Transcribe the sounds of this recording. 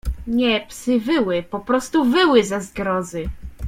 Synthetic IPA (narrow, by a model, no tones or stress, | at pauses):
ɲɛpsɘvɘwɘpɔpɾɔst̪uvɘwɘzazɡɾɔzɘ